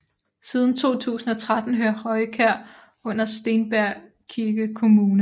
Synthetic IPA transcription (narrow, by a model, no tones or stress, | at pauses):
siːð̞ˠn̩t͡sʰo̝̰ːt͡sʰṵːsn̩ɒ̽t͡sʰʁad̥n̩ɦøɐʁɒ̽ɪkʰæɐ̰ | ɔ̽n̰ɐsd̥e̝nb̥æɐ̰ | kʰiɐɡ̥əkʰo̝muːnə